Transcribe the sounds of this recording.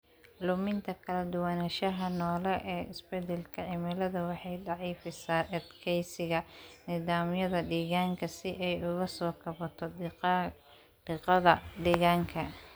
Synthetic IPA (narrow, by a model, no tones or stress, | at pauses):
lʊmɪnt̪ʰɐkʰɐlɐd̪ʊwɐnɐʃɐɦɐnɔːlɛʔɛːɪsb̥ɛd̪ɛlkʰɐʕɪmɪlɐðɐwɑħɑjɖɑʕiːfɪsaːʔɛd̪kʰɛjsɪɣɐnɪðaːmjɐðɐɖiːɣaːŋkʰɐsɪʔɛjʊɣɐsɔːkʰɐβɐt̪ʰɔ | d̪̥ɪqɐðɐɖɛːɣaːŋkʰɐ